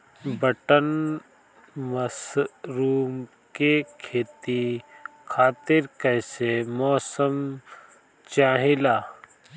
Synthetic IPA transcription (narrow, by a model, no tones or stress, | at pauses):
bəʈən | məsɾuːm | kekʰeːt̪ikʰaːt̪ɪɾkəːsemɔːsəm | t͡ʃaːɦɪlaː